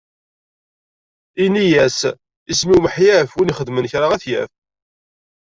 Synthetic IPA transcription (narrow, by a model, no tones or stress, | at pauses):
inijæs | ismiwməħjæfwiniχəd̪mənçɾaʁæθjæ̰f